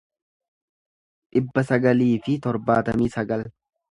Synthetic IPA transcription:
ᶑɪbːɐsɐɡɐliːfɪt̪ɔɾbaːt̪ɐmiːsɐɡɐl

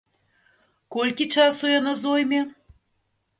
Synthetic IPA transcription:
kɔlʲkʲit͡ʂasujanazojmʲe

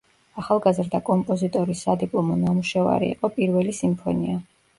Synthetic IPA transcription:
aχalˠɡazɾd̪akʼɔmpʼɔzit̪ʼɔɾisad̪ipʼlˠɔmɔnamuʃɛva̰ɾḭːqʼɔpʼiɾvɛlisimpʰɔ̰nia

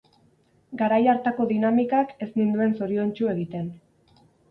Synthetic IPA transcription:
ɡaɾajaɾt̪ako̞ðinamikake̞snind̪ue̞nso̞ɾio̞nt͡ʃue̞ɣit̪e̞n

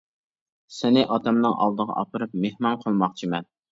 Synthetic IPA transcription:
sɪnɪʔɑt̪ʰɛmnɨŋʔɑ̰lˠd̪əʁɑ̰ʔɑpəɾɨpmehmɑnqʰəlˠmɑχt͡ʃʰimɛn

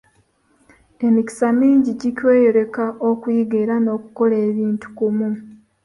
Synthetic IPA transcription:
e̞miki̥samiːɲɟiɟicwe̞ːjo̞ɾe̞kaʔokwiːɡeɾano̞ːkuko̞leːβiːntu̥kumu

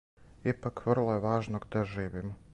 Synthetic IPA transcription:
ipakʋr̩lˠojeʋaːʒnoɡd̪aʒiːʋimo

